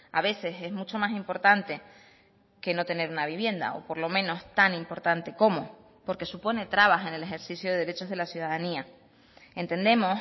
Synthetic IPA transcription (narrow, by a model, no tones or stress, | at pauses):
aβe̞se̞se̞ɦmut͡ʃomasimpo̞ɾt̪ant̪e̞ | ke̞no̞t̪e̞ne̞ɾunaβ̞iβ̞je̞nd̪a̰o̞̰po̞ɾlo̞mẽ̞no̞st̪animpo̞ɾt̪ant̪e̞ko̞mo | po̞ɾke̞supo̞ne̞t̪ɾaβ̞ase̞ne̞le̞xe̞ɾsisjoðeðeɾe̞t͡ʃo̞ɦð̞e̞lasjuðaðania | e̞nt̪ẽ̞nd̪e̞mo̞s